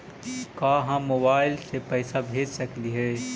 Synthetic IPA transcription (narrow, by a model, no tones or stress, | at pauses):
kaːɦãmoːbaːɪlsepɛːsabʱeːd͡ʒsɐkliɦɛː